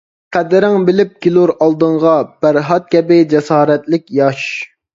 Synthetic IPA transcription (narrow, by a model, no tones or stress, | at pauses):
qʰæd̪ɾɪŋbɪlɪp̚kʲilˠuɾɑlˠd̪ɨɴʁɑb̥æɾɦɑt̪̚kʲɛbɪd͡ʒɛsɑːɾɛt̪lɪkʲjɑʃ